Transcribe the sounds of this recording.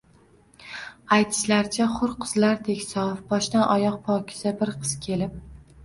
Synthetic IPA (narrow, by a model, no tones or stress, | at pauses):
ajt̪ʰɪ̥ʃlaɾt͡ʃʰaχʊɾqʰɨzlaɾt̪ʰe̞kʲsɒfbɒʃt̪anʔɒjɒq̚pʰɒkʲʰɪ̥zabɪɾqʰɨz̥kʲʰe̞lɪp̚